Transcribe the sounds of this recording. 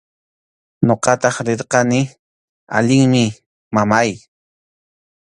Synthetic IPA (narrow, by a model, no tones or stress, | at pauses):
ɲoqɑt̪ɑχɾeɾqɑnɪ | a̰ʎɪŋmɪ | mamaj